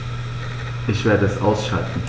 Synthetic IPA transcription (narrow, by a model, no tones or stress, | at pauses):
ʔɪçv̥eːɐdəɛsʔa̰ʊsʃa̰ltn̩